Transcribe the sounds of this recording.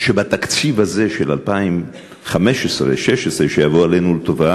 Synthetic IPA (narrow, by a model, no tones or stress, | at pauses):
ʃebat̪akt͡sivhaze̞ʃelalpaim | χame̞ʃesʁḛʃe̞ʃesʁeʃejavoalenulet̪ova